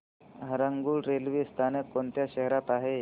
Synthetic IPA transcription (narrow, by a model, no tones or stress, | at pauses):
ɦəɾəŋɡuːlɾelʋiːst̪ʰanekːont̪jaɕəɦɾat̪aɦe